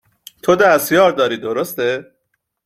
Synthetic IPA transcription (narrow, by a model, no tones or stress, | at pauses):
t̪ʰod̪æst̪jɒːɾd̪ɒːɾiːd̪oɾost̪e